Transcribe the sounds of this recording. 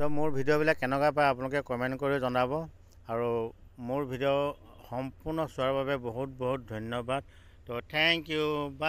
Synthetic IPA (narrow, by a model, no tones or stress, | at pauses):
tɔmʊɹbʱidijɔbilakːɛnɛkapaapʊnlʊkɛkɔmɛntkoɹizɔnabɔ | aɹumʊɹbʱidiɔ | xɔmpʊɹnɔsʊaɹbabɛboɦut̚boɦut̚dʱɔjnjɔbad̚ | tɔtʰɛŋkjuba